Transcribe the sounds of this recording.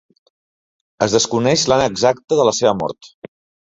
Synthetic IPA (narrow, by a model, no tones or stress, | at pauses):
əzðəskunɛʃlanəɡzak̚t̪əðələseβəmɔ̰ɾt̪